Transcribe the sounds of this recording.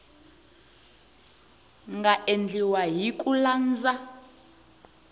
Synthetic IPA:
ŋɡaʔend͡ɮʱiwajikʼulaːnd͡za

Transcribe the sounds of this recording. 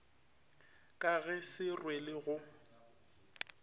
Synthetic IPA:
kʼaɣɛsɪrwɛlɪɣʊ

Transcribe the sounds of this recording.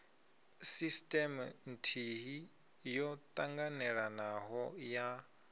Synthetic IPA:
sistʼɛmn̩tʰiɦi | jɔt̪ʼaŋɡanɛɺanaɦɔja

